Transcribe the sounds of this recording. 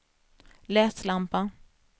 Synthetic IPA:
lɛːslampa

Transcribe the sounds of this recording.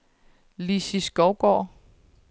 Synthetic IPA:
lisisɡ̥ɒʊɡ̥ɒ̰ː

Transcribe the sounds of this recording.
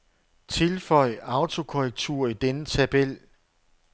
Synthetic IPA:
t͡sʰe̝lfɒ̽ɪ̰ɑ̈ʊt͡sʰo̝kʰoʁɛɡ̥̚t͡sʰuɐ̰id̥enət͡sʰæb̥el̰

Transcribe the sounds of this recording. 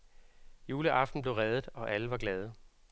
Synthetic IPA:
juːləʔɑ̈fd̥n̩b̥le̝ʊʁɛðˠð̩ˠɒ̽ʔæləʋɑ̈ɡ̥lɛːð̞ˠə

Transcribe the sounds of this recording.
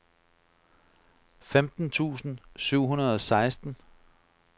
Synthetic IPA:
femd̥n̩t͡sʰṵːsn̩syʊ̰ɦunɐð̩ˠɒ̽sɑ̈ɪsd̥n̩

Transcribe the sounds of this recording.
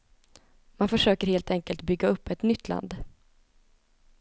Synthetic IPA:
manfœʂøːkəɾheːlt̪ʰɛŋkəlt̪bʏɡːaɵpːɛt̪nʏt̪ʰːla̰nd̪

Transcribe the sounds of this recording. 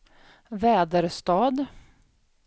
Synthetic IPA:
vɛːd̪əɾst̪ɑːd̪

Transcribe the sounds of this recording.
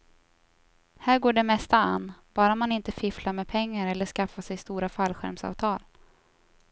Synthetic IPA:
hæːɾɡoːɖɛmɛst̪aa̰nːb̥ɑːɾaɔmanɪnt̪əfɪflamɛpʰɛŋːaɾɛlːəʂkafːasɛjst̪uːɾafalɧæ̰ɾmsɑ̰ːvt̪ʰɑːl

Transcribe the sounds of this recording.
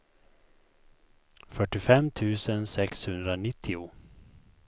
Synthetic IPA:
fœʈːɪfɛmːt̪ʰʉ̟ːsənsɛkshɵnd̪ɾanɪt̪ʰːɪʊ

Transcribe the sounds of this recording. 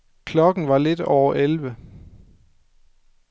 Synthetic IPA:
kʰlɒ̽ɡ̥n̩ʋɑ̈le̝d̥ɒʊɐʔelʋə

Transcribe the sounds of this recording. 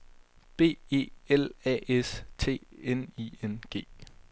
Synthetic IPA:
b̥e̝̰ːe̝̰ːelɛ̰ʔest͡sʰe̝̰ːenienɡ̥e̝̰ː

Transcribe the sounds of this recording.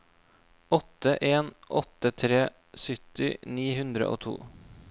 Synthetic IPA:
ɔt̪əʔeːnʔɔt̪ət̪ʰɾeː | sʏt̪ɪniːhʉnd̪ɾə̰ʔo̰ːt̪ʰṵː

